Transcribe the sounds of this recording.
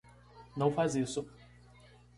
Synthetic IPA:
nɐ̃w̃fazisʊ

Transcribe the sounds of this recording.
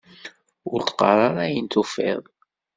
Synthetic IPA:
ʊɾt̪qːɑ̰ɾˤɑɾˤajənt̪ufɪ̰ðˤ

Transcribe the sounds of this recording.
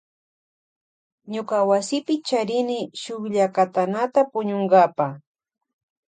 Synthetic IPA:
ɲokawasɪpɪt͡ʃaɾɪnɪʃʊχʎakat̪anat̪apʊɲoŋɡapa

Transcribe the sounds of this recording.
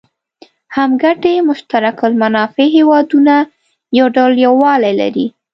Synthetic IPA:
hamɡaʈemʊʃt̪aɾakʊlmanɑfeɦewɑd̪una | jawɖawljawːɑlajla̰ɾi

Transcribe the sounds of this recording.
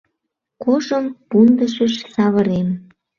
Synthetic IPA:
koʒəmpund̪əʃəʃsɑβə̆ɾem

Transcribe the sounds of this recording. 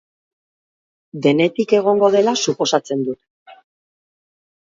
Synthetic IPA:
d̪e̞ne̞t̪ike̞ɣ̞o̞ŋɡo̞ð̞e̞lasupo̞sat͡se̞nd̪ut̪

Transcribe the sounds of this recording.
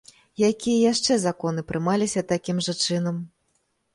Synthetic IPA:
jakʲijɐjaʂt͡ʂɛzakɔn̪ɨpɾʔɨmalʲisʲɐt̪akʲimʐɐt͡ʂɨnɐm

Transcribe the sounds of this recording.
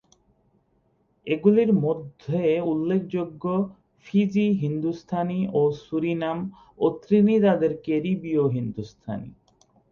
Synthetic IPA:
eɡuliɾmod̪ʱeulːek̚ʰd͡ʑoɡːo | fid͡ʑiɦind̪ust̪ʰaniosuɾinam | ot̪ɾinit̪ad̪eɾkeɾibioɦind̪ust̪ʰa̰nḭ

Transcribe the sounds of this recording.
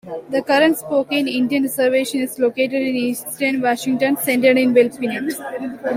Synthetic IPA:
d̪əkʌɾə̃ɳʈspoːkẽnɪ̃ɳɖijə̃nɾɪzəɾʋeːʃə̃nɪzloːkeːʈeɖɪ̃niːsʈə̃nʋaːʃɪ̃ŋʈə̃nsẽɳʈəɖɪ̃nʋelt̪ʋinẽs

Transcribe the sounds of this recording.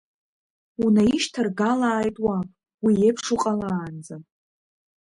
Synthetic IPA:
unaiʃtʰarɡalaːjtʼwa | wijepʰʂuqʼalaːnd͡za

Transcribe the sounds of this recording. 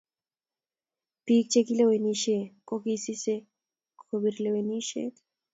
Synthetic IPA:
pik̚t͡ʃekileweniʃekʼokisise | kʰobiɾleweniʃḛ

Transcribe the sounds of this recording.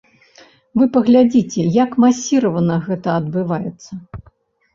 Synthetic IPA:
vɨpɐɣlʲad͡zʲit͡sʲɛjakmasʲiɾɐvɐnɐɣɛt̪ɐːd̪bɨvajɛt̪sːɐ

